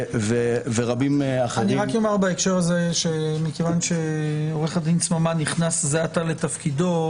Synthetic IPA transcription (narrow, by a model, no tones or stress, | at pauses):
veveʁabimaχeaniiʁakjomaʁbaekʃe̞ʁaze̞ʃe̞mikevanʃe̞oʁe̞χadinsmamaniχnaszeatale̞t̪afkido̞